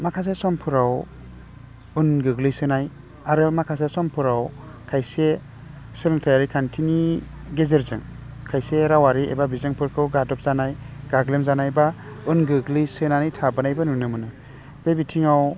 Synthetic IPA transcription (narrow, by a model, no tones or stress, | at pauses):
makʰas̬esɔmpʰɯɾaw | unɡɯɡlijsɯnaj | aɾɯmakʰas̬esɔmpʰuɾaw | kʰajse | sɯlŋtʰajaɾikʰantʰiniɡezeɾzɯŋ | kʰajseɾawaɾiḛbabizaŋpʰɯɾkʰɯwɡadɔp̚zanajɡ̥aɡlemzanajba | unɡɯɡlijsɯnanajtʰabɯnajbɯnunɯmɯnɯ | b̥ebitʰiŋaw